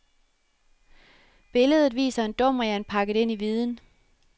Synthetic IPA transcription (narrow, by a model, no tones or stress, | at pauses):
b̥e̝ləð̞ˠð̩ˠʋḭːsɐe̝nd̥ɔ̽m̰ɐjænpʰɑ̈ɡ̥əð̩ˠe̝n̰iʋiːð̞ˠn̩